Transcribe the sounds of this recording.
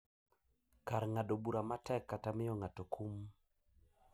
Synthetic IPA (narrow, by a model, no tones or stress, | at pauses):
kaɾŋadobuɾamatɛkːatamɪjɔŋatokʰum